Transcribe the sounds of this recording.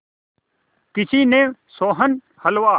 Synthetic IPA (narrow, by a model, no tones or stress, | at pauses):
kɪsiːnẽːsoːɦən | hɐlʋaː